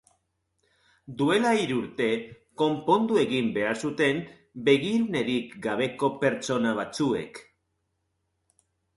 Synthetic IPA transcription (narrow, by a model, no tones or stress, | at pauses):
d̪ue̞laiɾuɾt̪e̞ | ko̞mpo̞nd̪ue̞ɣimbe̞aɾsut̪e̞m | be̞ɣiɾune̞ɾikɡaβ̞e̞ko̞pe̞ɾt͡ʃo̞naβ̞at͡sue̞̰k